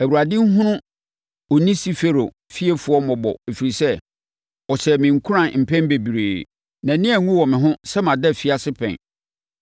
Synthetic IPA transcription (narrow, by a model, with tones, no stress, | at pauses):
æ˨wu˨ɾa˨dɪ̃˦ŋ̩˦ɦʊ̃˦nʊ̃˦ | ɔ˨nĩ˦si˦fe˦ɾo̰˨ | fi˦ɛ˦fu˨˦ɔ˦mɔ̃˨bɔ̰˨e˨fi˨ɾi˨sɛ˦ | ɔ˨sɛ˨mɪ̃˨ŋ̩˨kʰʊ˦ɾã˨n˨m̩˨pʰɛ̃˦nbe˨bi˨ɾeː˨ | nã˨nɪ̃˦æ˨ŋũ˦wɔ˨mɪ̃˨ɦʊ̃˦sɛ˦mã˨dɛ˦˨fi˦a˦sɪ˦pʰɛ̰̃˨n